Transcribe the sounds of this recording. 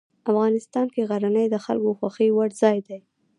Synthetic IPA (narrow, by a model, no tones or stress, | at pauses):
afɣɑnɪst̪ɑnkeɣaɾanəjd̪əxa̰lkoxwaxəjwaɽzɑjd̪aj